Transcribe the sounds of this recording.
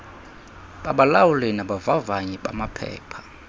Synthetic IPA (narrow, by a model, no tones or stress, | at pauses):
ɓaɓalawulɛnaɓavavaɲɛɓa̰mapʰɛ̰ːpʰḁ